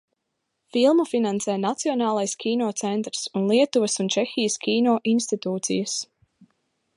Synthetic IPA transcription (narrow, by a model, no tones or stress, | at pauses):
filˠmafinãnsɛːnat̪siɔnɑːlˠajskʲʰiːnɔːt̪sɛnt̪ɾsunlˠiɛt̪uʋəsunt͡ʃɛxʲijəskʲiːnɔːʔinst̪it̪uːt̪sḭjəs